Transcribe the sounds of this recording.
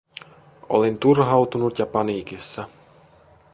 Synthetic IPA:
o̰lent̪urɦɑwt̪unut̪jɑpɑniːkisːɑ

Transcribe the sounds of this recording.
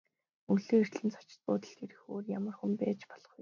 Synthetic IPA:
uɮeːir̥t̪ɮɘ̆nt͡sʰɔ̥t͡ɕɪ̥̆t̪̚pʊ̰ːt̪ə̆ɮxeɾɘ̆xoːrjamə̆rxumpæːt͡ɕpɔ̥ɮɞ̥̆χu

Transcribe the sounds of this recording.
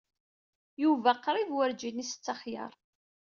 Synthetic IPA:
juvæqːɾˤiðwəɾd͡ʒinisə̥t͡sːɑχjə̰ɾˤ

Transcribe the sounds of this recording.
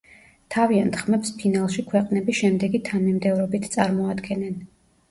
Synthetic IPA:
t̪ʰaviant̪ʰχmɛpspʰinalˠʃikʰwɛqʼnɛbiʃɛmd̪ɛɡit̪ʰanimd̪ɛvɾɔbit̪ʰt̪sʼaɾmɔad̪ɡɛnɛn

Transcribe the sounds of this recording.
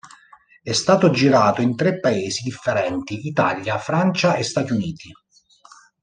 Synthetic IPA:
ɛst̪aːt̪od͡ʒiɾaːt̪oint̪ɾepːaeːzid̪ifːeɾɛnt̪iʔit̪aljafɾant͡ʃaest̪aːt̪iuniːt̪i

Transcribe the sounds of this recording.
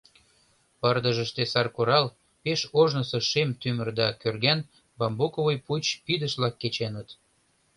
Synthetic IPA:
pərd̪əʒəʃt̪esɑrkoɾɑl | peʃoʒnəsɤʃemt̪ymərd̪ɑkørɣæn | bɑmbokovojput͡ɕpid̪əʃblɑkːet͡ɕenət̪

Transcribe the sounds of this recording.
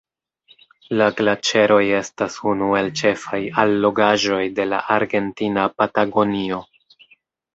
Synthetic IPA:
laɡlat͡ʃe̞ɾʔo̞je̞stasunue̞lt͡ʃe̞fajalːo̞ɡaʒo̞jde̞la̰ʔaɾɡe̞ntinapataɡo̞nio̞

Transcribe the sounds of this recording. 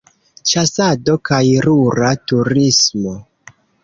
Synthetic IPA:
t͡ʃasado̞kajɾuɾatuɾismo̞

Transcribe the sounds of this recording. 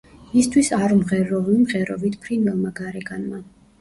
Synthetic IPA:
mist̪ʰwisaɾmʁɛɾɔvnimʁɛɾɔ̰vit̪ʰpʰɾinɛlˠmaɡaɾɛɡanma

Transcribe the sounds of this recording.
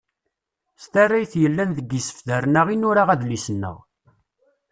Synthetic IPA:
st̪arːajθjəlːænðəɡːisə̥fðæɾnæʁinʊɾaʁæðlisənːə̰ʁ

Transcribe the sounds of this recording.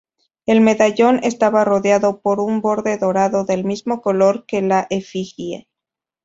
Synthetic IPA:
e̞lme̞ðaʝo̞ne̞st̪aβaro̞ðjaðo̞po̞ɾumbo̞ɾðe̞ðo̞ɾaðo̞ðe̞lmizmo̞ko̞lo̞ɾke̞laʔefixiḛ

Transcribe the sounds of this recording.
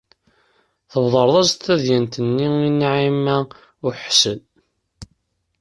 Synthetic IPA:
θəvðˤəɾˤðˤɑztθθæðjænt̪ənːiinʕimæ | ʊħsən

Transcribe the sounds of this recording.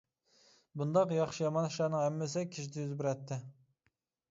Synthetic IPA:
bund̪ɑqjɑχʃijɑmɑnʃɑːnɨŋɛmːɪsɪkʲʰiʃid̪ɪjyzbɪɾɛt̪ʰːɪ

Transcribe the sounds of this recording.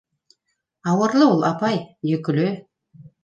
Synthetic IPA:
ɑwə̆ɾlˠəwolˠɑpɑjjɵkʏlɘ

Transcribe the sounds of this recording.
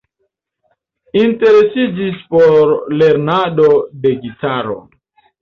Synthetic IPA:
inte̞ɾe̞sid͡ʒispoɾle̞ɾnadode̞ɡitaɾo̰

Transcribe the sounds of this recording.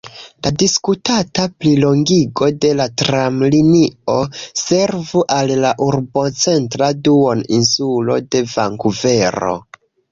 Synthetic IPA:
ladiskutataplilo̞ŋɡiɡo̞de̞latɾamlinio̞se̞ɾvuʔalːaʔuɾbo̞t͡se̞ntɾaduoninsulo̞̰de̞vaŋkuve̞ɾo̞̰

